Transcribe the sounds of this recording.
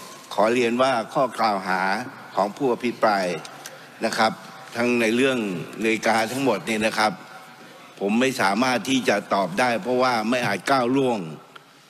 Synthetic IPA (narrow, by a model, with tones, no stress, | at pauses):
kʰɔː˩˦ɾi˧ənwaː˥˩kʰɔː˥˩klaː˨˩wɦaː˩˦ | kʰɔː˩˦ŋpʰuː˥˩ʔa˧pʰi˦˥pɾaː˧j | na˧˥kʰa˦˥p̚ | t̪ʰa˧˥ŋna˧jlɯ˥˩əŋnɯː˧jkaː˧t̪ʰa˦˥ŋmo˨˩t̪̚niː˧˥˩na˦˥˩kʰa˦˥p̚ʰː | o˩˦mːa˥˩jsaː˩˦maː˥˩t̪ʰːiː˥˩t͡ɕa˨˩t̪ɔː˨˩p̚daː˥˩jpʰɔ˧˥waː˥˩ma˥˩jʔaː˨˩t̪̚kaː˥˩wlu˥˩əŋ